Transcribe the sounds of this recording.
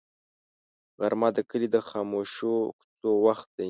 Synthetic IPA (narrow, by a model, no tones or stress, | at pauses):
ɣaɾmɑd̪əkəlid̪əxɑmoʃokt͡sowaxt̪̚d̪a